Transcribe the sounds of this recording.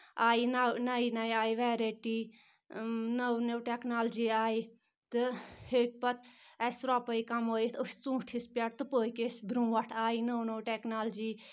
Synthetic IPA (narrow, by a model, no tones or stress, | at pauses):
aːinanainaiaːiʋɛːɾeːʈiː | nɐwnɐwʈeknaːld͡ʒiːaːi | t̪ɨheːk̚pɐt̪ɛsɾɔːpəikɐmoːit̪əst͡sũːʈʰispʲaʈt̪ɨpəːikesbɾũːʋɐʈʰaːinəwnowʈeknaːld͡ʒiː